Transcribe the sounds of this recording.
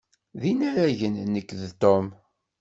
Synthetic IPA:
ðinæɾæʝənːəkːðt̪om

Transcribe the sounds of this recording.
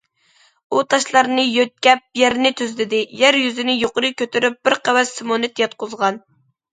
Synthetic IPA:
ut̪ʰɑʃlˠɑɾnɨjøt̪̚kʲɛp̚jæɾnɪt̪ʰyzlɪd̪ɪjæɾjyzɪnɪjoqʊɾɨkʲøt̪ʰyɾyp̚bɪɾqʰæwɛsːɪmonɨt̪jɑt̪̚qʊzʁɑn

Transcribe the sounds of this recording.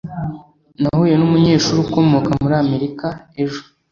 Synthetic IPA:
nahuːje̞numuɲe̞ːʃuːɾuko̞mo̞kamuɾaːme̞ɾikae̞ʒo̥

